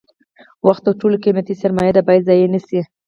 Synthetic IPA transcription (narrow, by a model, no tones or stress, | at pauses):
waxt̪awʈolokimjat̪isaɾmɑjad̪abɑjad̪zɑjenəsi